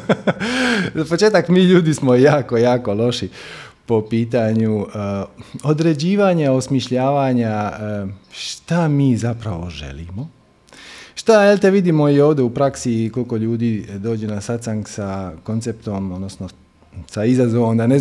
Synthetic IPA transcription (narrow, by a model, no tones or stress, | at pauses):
zapo̞t͡ʃe̞ːt̪akmiːʎuːd̪ismojaːko̞jaːko̞lˠo̞ʃi | po̞piːt̪̬aɲu | o̞d̪ɾe̞d͡ʑiːʋaːɲao̞smiʃʎaːʋaːɲa | ʃt̪amiːzapɾa̰ʋo̞̰ʒe̞̰lḭmo̞ | ʃt̪aelt̪eʋid̪imo̞io̞ːʋd̪eupɾaksiko̞lko̞ʎuːd̪iːd̪o̞ːd͡ʑe̞nasat̪saŋksako̞nsep̚t̪omod̪nosno | saizazoʋomd̪ane